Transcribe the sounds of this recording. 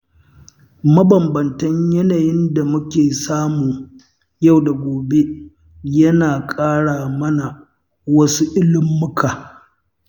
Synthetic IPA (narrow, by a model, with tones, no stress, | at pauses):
mɐ˦bɐ˨mbɐ˨ntɐ˦ɲjɐ˦naː˨jɪ˦nda˨mʊ˦kʲeː˨saː˦muː˨ | ja˦˨wda˨ɡʷoː˨be˦ | jɐ˦naː˨kʼaː˦ɽaː˨mɐ˦na˨ | wɐ˦su˦ʔɪ˦lɪ˦mːʊ˦kʰaː˨